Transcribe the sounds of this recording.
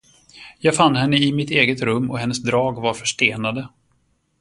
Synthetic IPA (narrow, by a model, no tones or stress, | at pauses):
jɑːɡfanːhɛnːəɪmɪt̪eːɡət̪ɾɵmːɔ̰hɛnːəsd̪ɾɑːɡvaɾfœʂʈeːnad̪ə